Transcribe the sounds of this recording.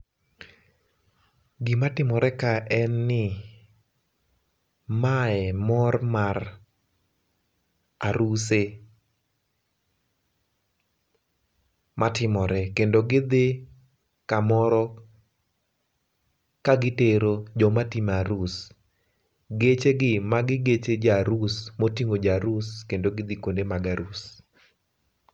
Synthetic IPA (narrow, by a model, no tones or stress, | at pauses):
ɡɪmatɪmɔɾɛkaʔɛnːɪ | maɛmɔrmar | aɾuse | mʔatɪmɔɾɛkendoɡɪd̪ɪ | kamɔɾɔ | kaɡɪteɾod͡ʒɔmatimaɾus | ɡet͡ʃeɡɪmaɡɪɡet͡ʃed͡ʒaɾusmotiŋod͡ʒaɾuskendoɡɪd̪ɪkondemaɡaɾus